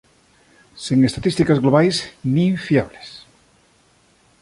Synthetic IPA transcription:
siŋest̪at̪ist̪ikazɣloβajsniɱfiaβles

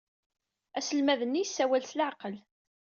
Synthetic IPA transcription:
æsəlmæðənːijsːæwælsəlʕqəl

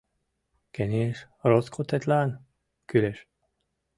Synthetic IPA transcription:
kɛniɛʃ | roskʰot̪ɛt̪laːn | kyleʃ

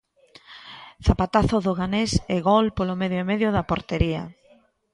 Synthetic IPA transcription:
θapat̪aθʊðoɣaneseɣɔlpolomeðjoemeðjoðɐpoɾt̪eɾiɐ̰

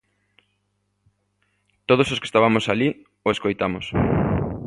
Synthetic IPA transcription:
t̪oð̞ososke̥st̪aβamosaʎi | oeskojt̪amʊs

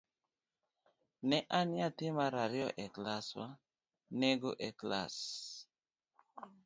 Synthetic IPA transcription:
neʔaniatimaɾaɾjɔʔeklasa | neɡoʔekla̰s

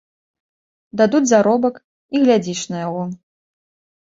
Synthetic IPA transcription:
d̪ad̪ud͡zʲzaɾɔbɐk | iɣlʲad͡zʲit͡ʂnɐjaɣɔ

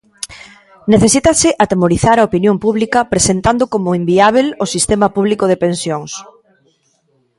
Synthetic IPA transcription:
neθesit̪ɐsɪʔat̪emoɾiθaɾɐopinjompuβlikɐpɾesent̪and̪okomʊimbiaβ̞elosist̪emɐpuβ̞likoðepensjoŋs

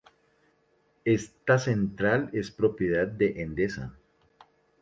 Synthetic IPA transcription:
est̪asent̪ɾale̞spɾo̞pjeðad̪̚d̪eʔend̪esa̰

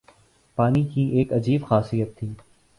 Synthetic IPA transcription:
paːniːkʰiːʔeːkɐd͡ʒiːbxaːsijət̪ʰːiː

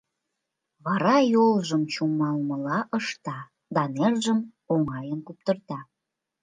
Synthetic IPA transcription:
βɑɾɑjolʒəmt͡ɕumɑlməlɑʔəʃt̪ɑ | d̪ɑnerʒəm | oŋɑjənkup̚t̪ərt̪ɑ

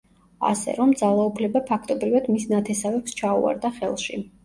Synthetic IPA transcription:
a̰sɛ̰ɾɔmd̪zalˠaupʰlɛbapʰakʰt̪ʼɔbɾivad̪misnat̪ʰɛsavɛpst͡ʃʰaṵa̰ɾd̪aχɛ̰lˠʃḭ

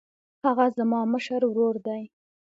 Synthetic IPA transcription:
haɣazamɑməʃəɾwɾoɾd̪aj

